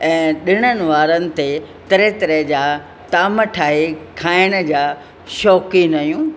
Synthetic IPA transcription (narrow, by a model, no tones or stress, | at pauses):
ɛ̃ːɗɪɽ̃ənɪ̆ʋaːɾənɪ̆t̪e | t̪ɐɾet̪ɐɾed͡ʑaː | t̪aːməʈʰaːɦekʰaːɪɽ̃ə̆d͡ʑaː | ʃɔːkinɐjũː